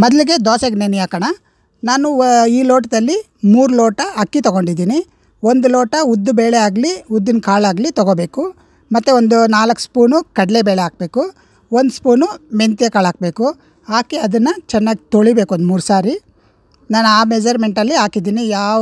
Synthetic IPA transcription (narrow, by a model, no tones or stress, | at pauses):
mɔd̪liɡe̞d̪ɔːsɐɡnenijaːkɐɳɐ | naːnuiːloːʈɐd̪ɐlːi | muːɾuloːʈɐɦɐkːit̪ɔɡo̞ɳɖid̪iːni | ond̪uloːʈɐud̪ːubeːɭeaːɡliud̪ːinkaːɭaːɡlit̪ɔɡoːbe̞ːku | mɐt̪ːuond̪unaːlɐkːspuːnukɐɽɐlebeːɭɛaːk̚be̞ːku | ond̪spuːnument̪ijɐkaːɭaːk̚be̞ːku | aːkeɐd̪ɐnːɐt͡ʃɛnːaːɡit̪oɭibeːkuond̪muːɾusaːɾi | naːnuaːmed͡ʒɐɾme̞ɳʈɐlːiaːkid̪iːnijaː